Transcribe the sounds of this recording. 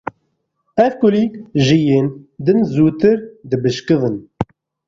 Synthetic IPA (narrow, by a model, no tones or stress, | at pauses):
ɛvkʊliːkʒijeːnd̪ɨnzuːt̪ɨɾd̪ɨbɨʃkɨðɨn